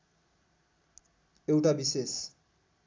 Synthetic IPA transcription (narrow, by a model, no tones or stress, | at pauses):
ewʈabises